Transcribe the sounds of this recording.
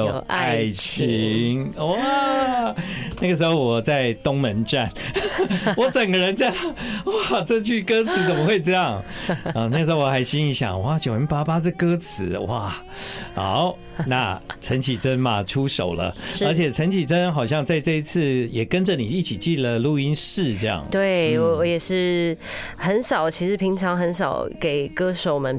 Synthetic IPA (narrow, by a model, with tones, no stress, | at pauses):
a˥˩ɪt͡ɕʰi˧˥ŋwa˥˩ | na˥˩ɡə˩ʂ̬ɻ̩˧˥xo˥˧ʊwɔ˨˩t͡sa˥˩ɪt̪ʊ˥ŋmə˧˦nʈ͡ʂa˥˩n | wɔ˧˥ʈ͡ʂə˨˩ŋɡə˦ɻə˧˦nt͡ɕja˥wa˥˩ʈ͡ʂɤ˥˧t͡ɕʰy˥˩kɤ˥t͡sʰɹ̩˧˦t͡sə˨˩mə˦xwe˥˧ɪʈ͡ʂɤ˥˧jɑ˥˩ŋə˧na˥˩ə˩ʂ̩ɻ̩˧xo˥˧wɔ˧xa˧˥ɪɕi˥ŋi˧˥ɕjɑ̰˨˩ŋwa˥˩t͡ɕjo˨˩ʊ˧˥npa˥pa˥t͡sɤ˥˩kɤ˥t͡s̩ʰ˧˦wa˥˩ | xa̰˧˦ʊ | na˥˩ʈ͡ʂʰə˧˥nt͡ɕʰi˨˩t͡sə˦˥nmɐ˨ʈ͡ʂʰu˥ʂo˨˩ʊlə̰˦ə˞˧˥t͡ɕʰjɛ˨˩ʈ͡ʂʰə˧˥nt͡ɕʰi˨˩t͡sə˦˥nxɑ˨˩ʊɕ̬jɑ˥˧ŋt͡sa˥˧ɪʈ͡ʂɤ˥˧i˧˥t͡s̩ʰ˥˩jɛ˨˩kə˥nd͡ʒə˨ni˨˩i˥˩t͡ɕʰi˨˩t͡ɕi˥˩lə˨˩lu˥˩i˥nʂɻ̩˥˩ʈ͡ʂɤ˥˧jɑ̰˥˩ŋt̪we˥˩ɪwɔ˧˩wɔ˧˥jɛ˨˩ʂɻ̩˥˩ | xə˧˥nʂɑ˨˩ʊt͡ɕʰi˧˥ʂɻ̩˧˥˩pʰi˧˥ŋʈ͡ʂʰɑ˧˥ŋxə˧˥nʂɑ˨˦ʊke˨˩ɪkɤ˥ʂo˨˩ʊmə˨˦n